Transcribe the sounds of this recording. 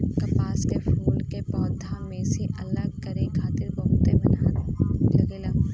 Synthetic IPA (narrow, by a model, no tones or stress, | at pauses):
kɐpaːskefuːlkebɔːt̪̚d̪ʱaːnmẽsiʔɐlːəkɐɾekʰaːt̪ɪɾbɐɦʊt̪emɐnaːnelɐɡeːlaː